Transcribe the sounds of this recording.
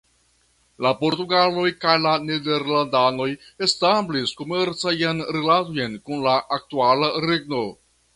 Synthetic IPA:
lapo̞ɾtuɡalo̞jkajlanede̞ɾlandano̞j | e̞stamblisko̞me̞ɾt͡sajanɾelatojnkunlaʔːk̚tualaɾeɡno̞

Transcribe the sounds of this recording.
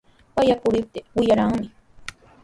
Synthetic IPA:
pajakʊɾɪp̚t̪ewɪjaɾaŋmɪ

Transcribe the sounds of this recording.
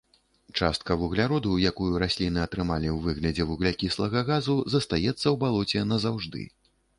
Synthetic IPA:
t͡ʂa̰st̪̚kɐvuɣlʲaɾɔd̪ujakujuɾasʲlʲinɨɐt̪ɾɨmalʲiwvɨɣlʲɐd͡zʲɛvuɣlʲakʲislˠɐɣɐɣazuzɐst̪ajɛt̪sːɐwbalˠɔt͡sʲɛnɐzawʐd̪ɨ̰

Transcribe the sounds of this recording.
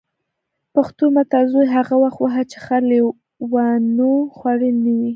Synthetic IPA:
paxt̪omat̪ɑzojɦaɣawaxt̪waɦat͡ʃexale | wanoxwaɽənəwi

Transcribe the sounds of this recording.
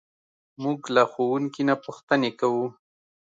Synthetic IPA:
muɡlaxowuŋkinapuxt̪ənekawu

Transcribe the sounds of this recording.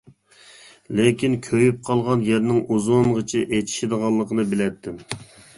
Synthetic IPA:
lɪkʲinkʲʰøjyp̚qʰɑlˠʁɑnjɛɾnɪŋʔuzoŋʁət͡ʃʰiʔet͡ʃʰi̥ʃid̪əʁɑlˠːəqʰənɨbɪlɛt̪ʰːɪm

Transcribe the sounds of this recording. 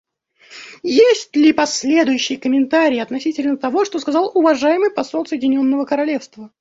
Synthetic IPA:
jesʲtʲlʲɪpɐsʲlʲe̞d̪ʊjʉɕːɪjəkəmʲɪnt̪aɾʲɪːɐt̪nɐsʲitʲɪlʲnət̪ɐvo̞ʂt̪o̞skɐzɑlˠʊvɐʐajɪmɨjpɐso̞lˠsəjɪdʲɪnʲo̞nːəvəkəɾɐlʲe̞fst̪və

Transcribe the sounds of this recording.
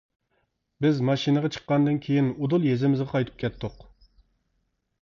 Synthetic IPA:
bɪzmɑʃinɨʁɑt͡ʃʰə̥qːɑnd̪ɨnkʲʰejinud̪ulˠjezɪmɪzʁɑqʰɑjt̪ʰɨ̥p̚kʲʰɛt̪ʰːʊq

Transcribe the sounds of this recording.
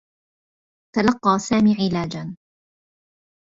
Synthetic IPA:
t̪alɑqːɑːsaːmiːʕɪlaːd͡ʒan

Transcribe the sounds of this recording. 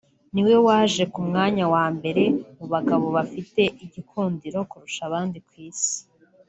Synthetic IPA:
niwe̞waːʒe̞kumŋaːɲawaːmbe̞ɾe̞muβaɡaβo̞βafite̞ʔiɟikʰuːndiɾo̞kuɾuʃaβaːndikwiːsi̥

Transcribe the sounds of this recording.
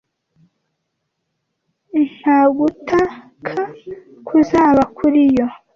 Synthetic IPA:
n̥haɡutʰa | kʰa | kʰuzaːβakʰuɾijo

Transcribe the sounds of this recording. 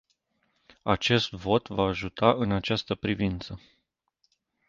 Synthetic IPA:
at͡ʃe̞st̪vo̞t̪vaːʒut̪ʰaʔɨnat͡ʃast̪əpɾivint̪sə

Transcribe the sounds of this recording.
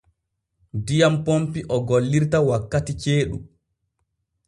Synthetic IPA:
dijampompiʔɔɡolːiɾtawakːatit͡ʃeːɗṵm

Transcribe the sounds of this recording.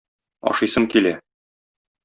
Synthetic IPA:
ɒ̰ʃɤ̆jsɤŋkilæ

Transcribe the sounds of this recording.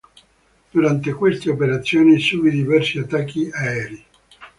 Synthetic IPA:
d̪̥uɾant̪ekwest̪eopeɾat̪sːjoːnisuːbid̪ivɛrsiat̪ːakʰːiaɛːɾi

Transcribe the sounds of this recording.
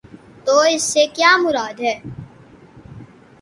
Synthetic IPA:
t̪oːɪsːekjaːmʊɾaːd̪ɦɛː

